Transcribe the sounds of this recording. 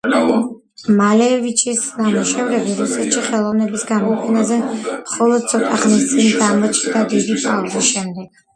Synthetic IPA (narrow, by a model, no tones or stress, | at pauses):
malɛvit͡ʃʰisnamuʃɛvɾɛbiɾusɛt̪ʃiχɛlˠɔvnɛbisɡamɔpʰɛnazɛmχɔlˠɔd̪̥̚t̪sʰɔt̪ʼaχnist̪sʼind̪amɔt͡ʃ̪ʰd̪ad̪id̪ipʰʼalzisʃɛmd̪ɛɡ̥̚